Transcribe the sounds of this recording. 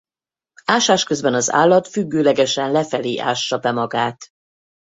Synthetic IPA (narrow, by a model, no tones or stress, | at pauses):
aːʃaːʃkøzbɛnɒza̰ːlːɒt̪fyɡːøːlɛɡɛʃɛnlɛfɛleːʔa̰ːʃt͡ʃɒbɛmɒɡaːt̪